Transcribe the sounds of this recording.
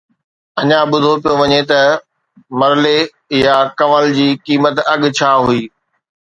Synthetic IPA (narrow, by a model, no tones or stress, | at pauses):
ɐɲãɓʊd̪ʱopijoʋɐɲet̪ɐ | mɐɾɪle | jakɐməld͡ʑiːkiːmət̪ɐɠ̆t͡ɕʰaːɦuiː